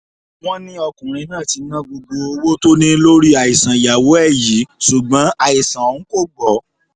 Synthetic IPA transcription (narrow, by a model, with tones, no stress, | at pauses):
w̃ɔ̃˦nĩ˦ɔ˧kũ˨ɾ̃ĩ˧nãː˦˨ti˧nã˦ɡ͡bo˧ɡ͡bo˧o˧wo˦to˦nĩ˦lo˦ɾi˦a˨i˨sã˨ja˨wo˨˦ɛ˦˨ji˨˦su˨ɡ͡bã˨˦a˨i˨sã˨o˨ñ̩˦ko˦˨ɡ͡bɔ˨˦